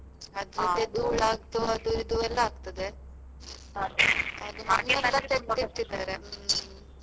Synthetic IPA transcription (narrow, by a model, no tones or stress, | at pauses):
ɐd̪ɾɐed̪uɭaːɡt̪uɐd̪uid̪uɛlːɐaːɡ̚t̪ɐd̪e | ɐd̪uɦɐnːɐɐt̪et̪iʈ̪ːid̪aːɾe